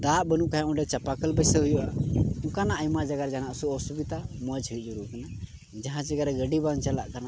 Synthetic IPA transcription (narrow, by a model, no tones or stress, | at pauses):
d̪aʔbənuʔkaɦɛ̃ũɖɛt͡ʃapakəlbɛsəɦujuʔaũkanaʔəjmad͡ʒaɡaɾd͡ʒanaʔsuɔsubit̪aməd͡ʒʱuʔ̚ˀd͡ʒuɾuʔkana | d͡ʒaɦãt͡ʃɛɡaɾɛɡəɖibaŋt͡ʃala̰ʔkana